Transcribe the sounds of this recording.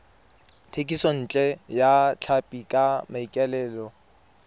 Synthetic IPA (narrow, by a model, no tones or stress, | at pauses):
tʰekʼisɔn̩ːt͡ɬʼɛjat͡ɬʰapʼikʼamaikʼɛlɛːlɔ